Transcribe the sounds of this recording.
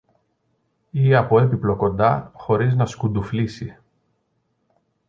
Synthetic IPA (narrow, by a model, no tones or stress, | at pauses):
iɐpo̞e̞piplo̞ko̞nd̪ɐxo̞ɾiznɐskund̪uflisi